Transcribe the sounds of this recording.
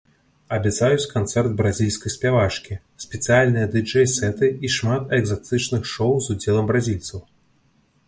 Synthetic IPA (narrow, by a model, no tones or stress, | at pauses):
ɐbʲɛt̪sajut͡sʲkant̪sɛrd̪̚bɾazʲilʲskɐjsʲpʲavat͡ʂkʲi | sʲpʲɛt̪sɨjalʲnɨjɐd̪ɨd͡ʐɛjsɛt̪ɨiʂmat̪ɛɡzat̪ɨt͡ʂnɨxʂɔwzud͡zʲɛlˠɐmbɾazʲilʲt̪sɐw